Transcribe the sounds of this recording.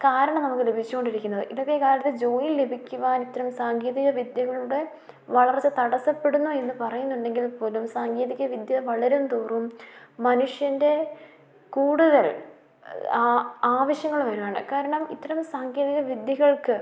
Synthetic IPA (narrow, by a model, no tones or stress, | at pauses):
kaːɾɐɳɐmnɐmukːɨle̞bʱit͡ɕːuko̞ɳɖiɾikʲːunːɐðɨ̰ʔiðɐkːekaːɾɐt̪ːed͡ʑo̞ːjille̞bʱikʲːuʋaːnit̪ːɐɾɐmsaːŋɡeːðiɣɐʋid̪jɐɣɐɭuɽe̞ | ʋɐɭɐrt͡ɕːɨt̪ɐɽɐsɐpːe̞ɽunːue̞nːɨpɐrɐjunːuɳɖe̞ŋɡilpo̞ːlumsaːŋɡeːðiɣɐʋid̪jɐʋɐɭɐɾumt̪uːrummɐnuʂjɐnde̞ | kuːɽuðɐl | aːʋɐɕjɐŋːɐɭʋɐɾuʋaːɳɨ̰kaːɾɐɳɐmḭt̪ːɐɾɐmsaːŋɡeːðiɣɐʋid̪jɐɣɐɭkɨ